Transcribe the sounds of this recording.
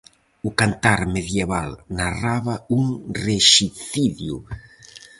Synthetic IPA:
ʊkant̪aɾmeðjeβalnaraβauŋreʃiθiðjṵ

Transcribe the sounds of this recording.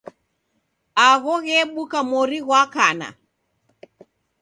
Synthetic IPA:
aɣɔɣɛɓukamɔɾiɣwakana̰

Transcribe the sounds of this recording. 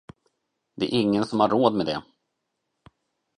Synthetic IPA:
d̪ɛæɾʔɪŋːənsɔmhaɾːoːd̪mɛd̪ɛ

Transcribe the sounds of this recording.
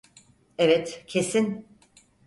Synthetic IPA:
evɛt̪cʰe̞sin

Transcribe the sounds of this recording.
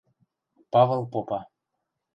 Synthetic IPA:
pɑvəlˠpopɑ

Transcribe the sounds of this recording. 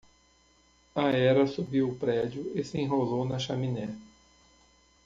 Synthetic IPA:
ɐɛɾɐsubiwʊpɾɛd͡ʒjʊɪsɪẽɦolownɐʃaminɛ

